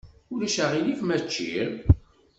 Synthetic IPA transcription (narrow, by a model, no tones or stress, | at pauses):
ʊlæʃæʁilifmæt͡ʃːḭɾ